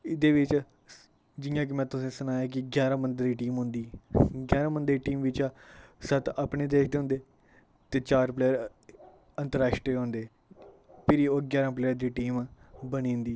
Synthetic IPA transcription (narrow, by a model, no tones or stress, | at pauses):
ɪd̪eːʋɪt͡ʃ | d͡ʒɪjãːk̬ɪmɛ̃ːt̪ʊsĩːsənaːjaːk̬ɪɡjaːɾãːmənd̪əɾiːʈiːmɦʊ̃nd̪iːɡjaːɾãːmənd̪əɾiːʈiːmʋɪt͡ʃːsət̪aːpɳeːd̪eːkʰd̪eːɦʊ̃nd̪eː | t̪eːt͡ʃaːɾpleːəɾ | ənt̪əɾaːʃʈɾeːɦõːnd̪eː | pʰɪɾiːoːɡjaːɾãːpleːəɾd̪iːʈiːmːbənĩːnd̪iː